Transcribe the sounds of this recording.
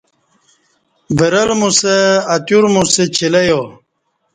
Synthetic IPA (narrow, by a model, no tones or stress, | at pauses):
beɾɐlmuseːt̪juɾmuset͡ɕʰilejo